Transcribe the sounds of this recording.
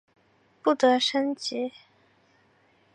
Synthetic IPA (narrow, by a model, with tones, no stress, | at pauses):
pu˥˩t̪ɤ˧˥ʂə˥nt͡ɕi˧˥